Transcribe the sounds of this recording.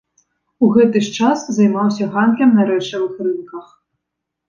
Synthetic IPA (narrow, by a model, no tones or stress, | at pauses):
uɣɛt̪ɨʂt͡ʂaszɐjmawsʲɐɣand̪lʲɐmnɐɾɛt͡ʂɐvɨxrɨmkɐx